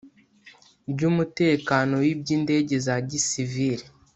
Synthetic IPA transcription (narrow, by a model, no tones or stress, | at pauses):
bɟumute̞ːkano̞wibɟiːnde̞ɟe̞zaɾɟisiviɾi